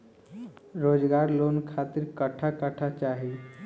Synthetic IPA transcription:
ɾod͡zɡaɾlonkʰat̪iɾkəʈʰakəʈʰat͡ʃaɦi

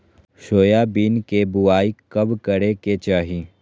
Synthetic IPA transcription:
ʃoːjabiːnkebʊaːikɐbkɐɾeket͡ʃaːɦiː

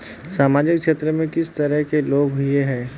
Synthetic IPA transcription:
saːmaːd͡ʒɪkkʃeːt̪ɾəmẽkɪst̪ɐɾəɦkeloːɡɦʊeɦɛ̃ː

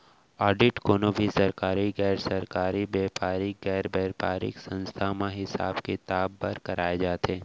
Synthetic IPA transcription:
ɔːɖɪʈkoːnobʱisɐɾkaːɾiɣɛːɾsɐɾkaːɾibeːpaːɾɪkɡɛːɾbɛːɾpaːɾɪ̰ksɐə̃nst̪ʰamãɦɪsa̰ːbket̪aːbːɐɾkɐɾaːed͡ʒaːt̪ʰeː

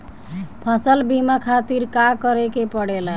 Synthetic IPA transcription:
pʰəsəlbimakʰat̪iɾkakəɾekepəɽela

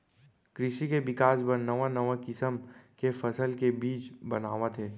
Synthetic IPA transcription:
kɾɪʃikeʋɪkaːsbɐɾnəʋãnəʋãkɪsəmkefɐsəlkebiːt͡ʃbɐnaːʋat̪ʰeː

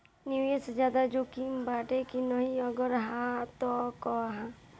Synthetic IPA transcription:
niuesed͡ʒjaːd̪ad͡ʒokimbaːʈekinəɦĩəɡəɾɦãt̪ɔkɔɦã

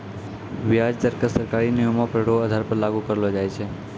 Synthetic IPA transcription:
ʋjad͡ʒt̪əɾkəsəɾkaɾinijomapɾəɽoəd̪ʱaɾpəɾlaɡukəɾlod͡ʒajt͡ʃʰe

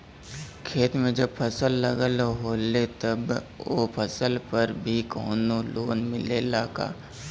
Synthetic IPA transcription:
kʰeːt̪mẽd͡ʒəb̚pʰɐsəlːəɡəlɦoːlet̪ɐboːpʰɐsəlpəɾbʱikoːnoloːnmɪlelaːka̰ː

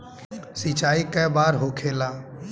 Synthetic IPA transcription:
sit͡ʃaːikəbaːɾɦokʰeːlaː

